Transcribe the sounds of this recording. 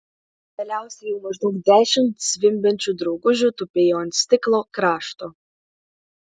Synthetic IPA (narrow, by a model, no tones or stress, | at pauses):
d̪ʲɛlʲæˑʊsʲɛjɛʊmɐʒd̪ɔʊkd̪ʲæːʃʲɪmt̪sʲʋʲɪmʲbʲɛnʲt͡ʃʲud̪ɾɔʊɡʊʒʲut̪ʊpʲejoːnʲsʲt̪ʲɪklˠoːkɾɑːʃt̪oː